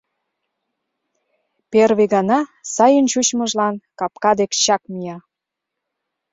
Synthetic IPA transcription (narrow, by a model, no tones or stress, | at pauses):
perβeɣɑnɑsɑjənt͡ɕut͡ɕməʒlɑnkɑp̚kɑd̪ekɕɑkmijɑ